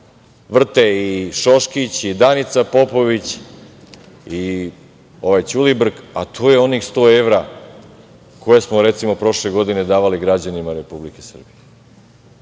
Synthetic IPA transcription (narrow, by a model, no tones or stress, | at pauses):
ʋr̩t̪eiʃo̞ʃkit͡ɕid̪anit̪sapo̞po̞ʋit͡ɕ | i | o̞ʋajt͡ɕulibr̩kat̪ʰoːje̞o̞nixst̪o̞ːe̞ʋɾa | ko̞jesmo̞ɾe̞t̪simo̞pɾo̞ʃle̞ɡo̞d̪ine̞d̪aːʋaliɡɾad͡ʑanimaɾe̞publikesr̩bije